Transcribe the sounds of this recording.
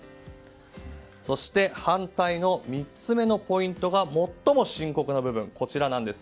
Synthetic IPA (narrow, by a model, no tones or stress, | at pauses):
so̞ɕi̥t̪e̞hãnt̪aino̞mʲit͡sɨme̞no̞po̞ĩnt̪o̞ɡamo̞t̪ːo̞mo̞ɕĩŋko̞kɯ̟nobɯ̟bɯ̟̃ŋko̞t͡ɕiɾanãnd̪e̞sɨ̥